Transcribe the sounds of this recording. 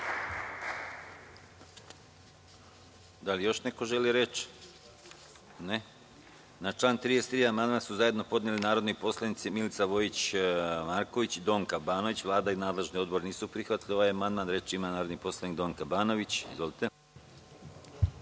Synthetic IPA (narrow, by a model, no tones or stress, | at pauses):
d̪alijo̞ʃne̞ko̞ʒe̞liɾe̞t͡ʃ | ne | nat͡ʃlˠaːnt̪ɾijest̪ɾiːamand̪mansuzaje̞d̪no̞po̞d̪nelinaːɾod̪nojpo̞slˠanit̪similit̪saʋo̞jit͡ɕmaɾko̞ʋit͡ɕid̪o̞ːŋkabaːno̞ʋit͡ɕʋlˠaːd̪ainaːd̪le̞ʒnio̞d̪̚bo̞ɾniːsupɾixʋat̪lʲioʋaejamand̪maːnɾe̞t͡ʃimanaːɾod̪nipo̞slˠanik̚d̪o̞ːŋkabaːno̞ʋit͡ɕḭzʋo̞lit̪e̞